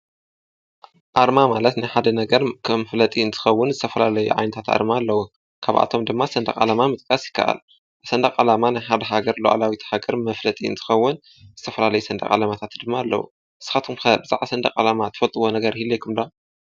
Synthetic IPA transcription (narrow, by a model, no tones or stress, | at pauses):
ʔaɾmamalɐt̪najħad̪ɐnɐɡɐɾkʰɐmflɐt̪ʼiɨnt̪ʰɨ̥xɐwːʊnzɨt̪ʰɐfɐlalɐjṵʕa̰jnɐt̪ʰat̪ʔa̰ɾmaːlːɐwu | kʰaβʔa̰t̪ʰo̞md̪ɨmːasɐnd̪ɐ̰kʼa̰lamamɨt̪ʼkʼɐsjɪkʰːa̰ʔa̰l | sɐnd̪ɐkʼalamanajħad̪ɐɦaɡɐɾlo̰ʔa̰lawit̪haɡɐɾmɐflɐt̪ʼiɨnt̪ʰɨ̥xɐwːʊn | zɨt̪ʰɐfɐlalɐjusɐnd̪ɐ̰kʼa̰lamat̪ʰat̪d̪ɨmːaːlːɐ̰wṵ | ʔɨsːɨ̥xat̪ʰumkʰɐbɨzʼa̰ʕasɐnd̪ɐ̰kʼa̰lamat̪ʰɨfɐlt̪ʼɨwo̞nɐɡɐɾhilːekʰumd̪a